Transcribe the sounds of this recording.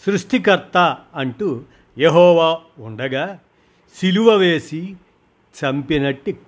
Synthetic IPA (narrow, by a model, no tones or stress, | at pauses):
sɾuʂʈʰikɐɾt̪aɐɳʈu | jeɦɔːʋaːuɳɖɐɡaː | siluʋɐʋeːsi | t͡ʃɐmpinɐʈːi